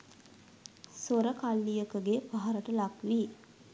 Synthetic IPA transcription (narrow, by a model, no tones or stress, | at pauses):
soɾəkalːijəkəɡepaɦaɾəʈəlakʋi